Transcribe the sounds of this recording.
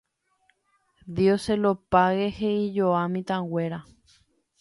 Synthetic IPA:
d̪ioselopaɣeheid͡ʒoamĩt̪ãɡweɾa

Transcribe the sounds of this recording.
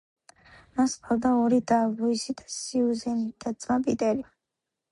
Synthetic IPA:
maspʰalˠd̪aɔɾid̪avuisid̪asiuzɛnid̪̥at̪sʼmapʼit̪ʼɛɾi

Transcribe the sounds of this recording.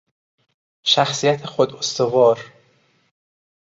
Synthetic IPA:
ʃæxsijæt̪ʰexod̪ost̪ovɒːɾ

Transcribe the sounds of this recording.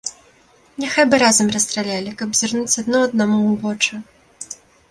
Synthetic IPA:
nʲɛxajbɨɾazɐmrɐst̪ɾalʲalʲikɐbzʲirnut͡sʲɐd̪nɔɐd̪namuvɔt͡ʂɨ

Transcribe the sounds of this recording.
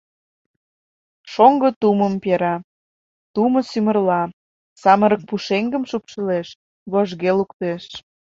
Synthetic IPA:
ʃoŋɡə̆t̪uməmpeɾɑ | t̪umə̆symə̆rlɑ | sɑməɾək̚puʃeŋɡəmʃupʃə̆leʃ | βoʒɣelukt̪eʃ

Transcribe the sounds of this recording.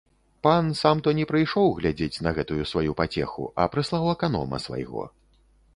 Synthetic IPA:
pansamt̪ɔnʲɛpɾɨjʂɔwɣlʲad͡zʲet͡sʲnɐɣɛt̪ujusvajupat͡sʲɛ̰xṵʔɐ̰pɾɨslˠawɛkanɔ̰mɐ̰sva̰jɣɔ̰

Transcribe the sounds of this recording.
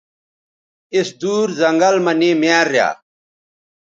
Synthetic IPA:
isd̪uːɾzɐŋɡɐlmɐneːmjaːɾːja̰ː

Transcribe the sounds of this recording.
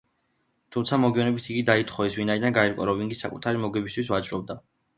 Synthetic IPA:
t̪ʰumt̪sʰamɔɡiɔnɛbit̪ʰiɡid̪ait̪ʰχɔɛsvinaid̪anɡaɛɾkʼɔɾɔviŋɡisakʼut̪ʰaɾimɔɡɛbist̪ʰwisvat͡ʃʼɾɔb̚d̪a

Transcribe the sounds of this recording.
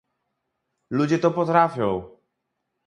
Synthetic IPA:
lud͡ʑet̪opot̪ɾafjow

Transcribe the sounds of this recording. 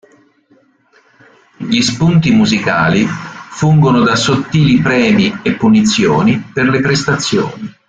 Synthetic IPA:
ʎispunt̪imuzika̰ːlifuŋɡonod̪asot̪ːiːlipɾɛːmiepːunit̪sːjo̰ːniperlepɾest̪at̪sːjo̰ːni

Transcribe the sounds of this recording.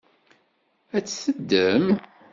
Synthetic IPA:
æt͡sːsəd̪ːəm

